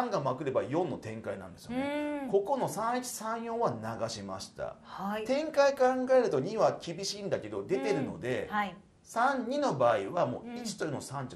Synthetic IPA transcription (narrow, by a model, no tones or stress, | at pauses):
ãŋɡamakɯ̟ɾe̞bajõ̞nːo̞t̪ẽ̞ŋkainã̰nd̪esɨjoneko̞ko̞no̞sãɰ̃it͡ɕi̥sãɰ̃jõ̞ɰ̃βanaɡaɕima̰ɕi̥t̪a̰hat̪ẽ̞ŋkaikãŋɡae̞ɾɯ̟t̪o̞ɲ̟iβakʲibʲiɕĩːnd̪ake̞d̪o̞d̪e̞t̪e̞ɾɯ̟no̞̰d̪e̞a | sãɲɲːino̞baːiβamo̞̰ːit͡ɕi̥t̪ojɯnosãɲ̟t͡ɕi